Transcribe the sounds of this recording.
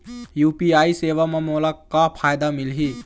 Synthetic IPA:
juːpiaːiseːʋamẽmoːlakapʰaːjd̪amɪlɦi

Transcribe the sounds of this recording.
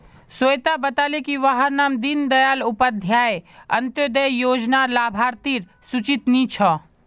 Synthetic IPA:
soːjt̪abɐt̪aːlekiʋaɦəɾnaːmd̪ind̪ɐjaːlʊpəd̪ʱjaːjɐ̰̃nt̪jod̪əjjoːd͡ʒnalaːbʱaːɾt̪iːɾ | sʊt͡ʃit̪nit͡ʃʰɐ

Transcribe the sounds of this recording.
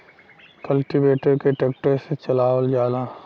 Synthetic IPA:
kɐlʈibeːʈeɖkeʈeːk̚ʈeset͡ʃɐlaːʋəld͡ʒaːlaː

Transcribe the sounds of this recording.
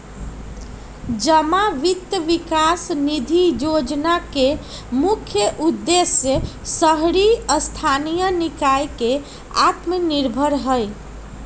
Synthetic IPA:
d͡ʒəmaʋit̪jəʋikasnid̪ʱijod͡ʒnake | mukʰjəʔud̪ːesjjəsəɦɾiəst̪ʰanijənikajke | a̰t̪məniɾbʱəɾɦəj

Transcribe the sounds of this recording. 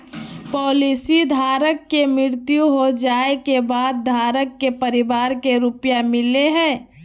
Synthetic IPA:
pɔːlisid̪ʱaːɾəkːemɪɾt̪juɦod͡ʒaːekebaːd̪̚d̪ʱaːɾəkːepəɾɪbaːɾkeɾʊpjamɪleɦɛ̃ː

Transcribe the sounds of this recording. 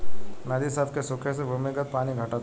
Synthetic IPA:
nad̪isaːbkesʊkʰesebʱʊmiɡət̪̚paːniɡʱɐʈaːt̪

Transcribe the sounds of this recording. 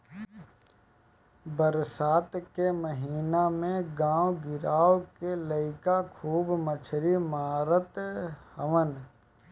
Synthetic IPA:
bəɾsaːt̪keməɦiːnamẽɡãːwɡɪɾaːwkeləɪkakʰuːbmət͡ʃʰɾimaːɾət̪həʋən

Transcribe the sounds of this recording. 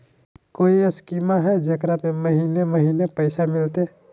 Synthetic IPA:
koːiɐskiːmaɦɛd͡ʒɐkɾamẽmɐɦiːnemɐɦiːnepɐɪsamɪlt̪e

